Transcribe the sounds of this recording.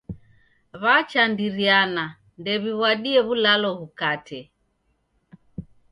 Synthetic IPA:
βat͡ʃandiɾiana | ndɛβiβwaɗiɛβulalɔβukatɛ

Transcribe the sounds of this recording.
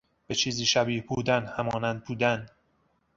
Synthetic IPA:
b̥et͡ʃʰiːziːʃæbiːhbuːd̪ænhæmɒːnænd̪̚buːd̪æn

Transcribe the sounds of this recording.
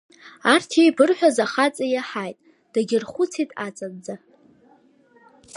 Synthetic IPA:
artʰejbɨrħʷᶣazaχat͡sʼajaħajtʼ | d̥aɡʲɪrχʷʊt͡sʰitʼat͡sʼadd͡za

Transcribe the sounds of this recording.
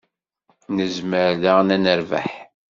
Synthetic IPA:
nəzməɾðaʁnænəɾvæ̰ħ

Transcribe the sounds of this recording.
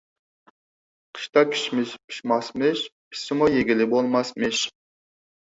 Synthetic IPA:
qʰə̥ʃt̪ɑkʲʰy̥ʃmɪʃpʰy̥ʃmɑsmɨʃpʰi̥sɪmujeɡʲilɪbolˠmɑsmɨʃ

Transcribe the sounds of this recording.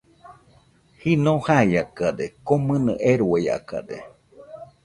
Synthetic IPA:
hinõhaiakaɾekomɨnɨ̰̃ʔeɾueja̰ka̰ɾḛ

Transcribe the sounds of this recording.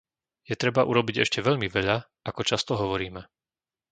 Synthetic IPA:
jɛt̪ɾɛbaʔuɾɔbiɟɛ̰ʃcɛʋɛʎmiʋɛʎa | akɔt͡ʃast̪ɔɦɔʋɔɾiːmɛ

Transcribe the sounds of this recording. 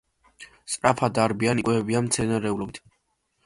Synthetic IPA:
st̪ʼɾapʰad̪aɾbianikʼwɛɛbianmt̪sʰɛnaɾɛulɔbit̪ʰ

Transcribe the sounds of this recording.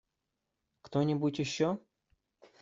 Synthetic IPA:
kt̪onʲɪbutʲjɪɕːo

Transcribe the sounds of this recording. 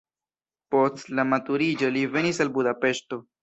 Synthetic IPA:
po̞stlamatuɾid͡ʒo̞live̞nis̬albudape̞ʃto̞

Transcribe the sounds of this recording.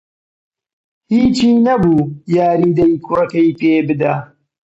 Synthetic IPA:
hiːt͡ʃiːnɐbuːjaːɾiːd̪ɐjkʰʊrɐkɐjpeːbɨd̪a

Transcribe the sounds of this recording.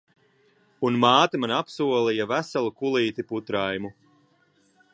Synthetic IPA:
unmaːt̪amanapsuɔlijavæsalˠukulˠiːt̪iput̪ɾajmu

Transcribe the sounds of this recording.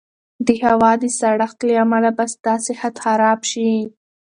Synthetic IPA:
d̪əhawɑd̪əsaɽaxt̪ləamalabasd̪̥ɑsɪhat̪xaɾɑbʃi

